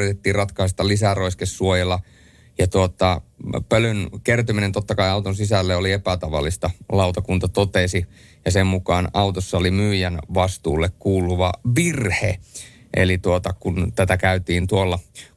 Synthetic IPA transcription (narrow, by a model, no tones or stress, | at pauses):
it̪et̪ːiːrɑt̪kɑist̪ːɑlisæroiskesːuojelːɑ | jɑt̪uot̪ɑpølønkert̪yminent̪ot̪ːɑkɑiɑut̪onsisælːeoliepæt̪ɑʋɑ̰lːist̪ɑlɑut̪ɑkunt̪ɑt̪ot̪esi | jɑsemmukɑːnɑuwt̪osːɑolimyːjænʋɑst̪uːlːekkuːluʋɑʋirhḛʔḛlit̪uot̪ɑkunt̪æt̪ækæyt̪iːnt̪uolːɑ